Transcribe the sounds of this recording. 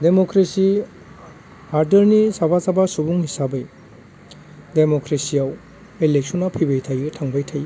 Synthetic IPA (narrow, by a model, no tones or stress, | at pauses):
demokɾesi | haɾdɐɾnisabasabasubuŋhisabɯj | demokɾesiaw | elek̚sonapʰibejtʰajɯtʰaŋbajtʰaj